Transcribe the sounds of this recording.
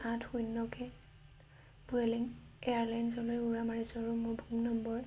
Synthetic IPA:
ãtʰxujnːɔkɛ | buɛliŋ | ɛaɹlajnsɔlojuɹamaɹisɔaɹumʊbʱumnɔmbɔɹ

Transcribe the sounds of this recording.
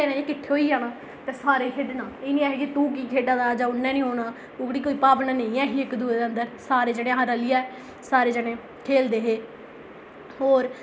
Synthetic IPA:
eːnẽːɪkɪt̪ʰːeoːiːd͡ʒaːnaː | t̪eːsaːɾeːkʰeɖnaːeːnĩːaɦeːkɪt̪ũːk̬iːkʰeːɖaːd̪aːd͡ʒãːʊnːɛ̃ːnĩːɦoːnaː | ʊɡɽiːkoːiːpaːpnãːnẽĩːɛ̃ːɦiːɪkd̪uːeːd̪eːə̃nd̪əɾsaːɾeːd͡ʒeːɽẽːɦãɾəlɪjaːɛː | saːɾeːd͡ʒəɽẽː | kʰeːld̪eːɦeː | ɦoːɾ

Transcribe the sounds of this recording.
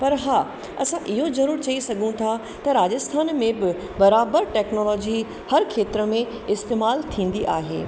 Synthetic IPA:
pɐɾɦaː | ɐ̰sãʔɪɦozɐɾuːɾt͡ɕɐisɐɠʱũt̪ʰa | t̪ɐɾaːd͡ʑəst̪ʰaːnmẽbɪ | bɐɾaːbəɾʈɛːknoːlɔːd͡ʑi | hɐɾkʰeːt̪ɾəmẽ | ɪst̪eːmaːlt̪ʰĩːn̆d̪iʔaːɦḛː

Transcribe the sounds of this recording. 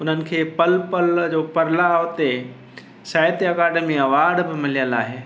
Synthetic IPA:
ʊn̤ənɪ̆kʰeːpɐlpɐld͡ʑoːpɐɾlat̪e | saːɪt̪iɐkaːɖəmiɐʋaːɾɖbɪmɪlijəlaːɦeː

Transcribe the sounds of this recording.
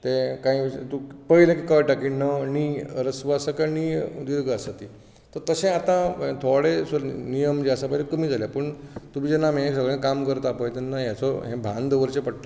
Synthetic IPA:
t̪ẽkãĩt̪upəilẽkikaʋiʈakinəniəɾəsʋasəkanid̪iɾɡəəsət̪iː | t̪əɾt̪əsẽat̪ãt̪ʰoɽesnijəmd͡ʑeasapəd͡ʑekəm̤iːd͡zʱaljapəɳt̪umid͡ʑenamẽksəɡɭẽkamkəɾt̪apəjt̪enːaɦjat͡sɔɦẽbʱãnd̪ʋəɾt͡ɕẽpəɽt̪a

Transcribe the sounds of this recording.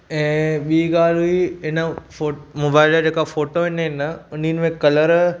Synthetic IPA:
ɛ̃ːɓiːɡaːlɦʊiɪnə̆fomoːbaːɪlad͡ʑeːkafoːʈoɦɪnɦɪnəʊninɪ̆mẽkɐləɾ

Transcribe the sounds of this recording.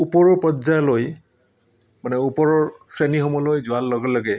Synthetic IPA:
upɔɹɔɹpɔzajloj | manɛupɔɹɔɹsɹenixɔmɔlojzʊalːɔɡɛlɔɡɛ

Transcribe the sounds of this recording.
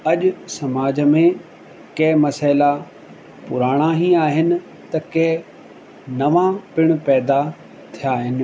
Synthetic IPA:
ɐʄʊsɐmaːd͡ʑəmẽ | kɐ̃ɦɪmɐsaːɪla | pʊɾaːɽ̃aɦiaːɦɪnɪ̆ | t̪ɐkɐ̃ɦ | nɐʋãpɪɽ̃̆pɛːd̪a | t̪ʰijaːɦɪnɪ̆

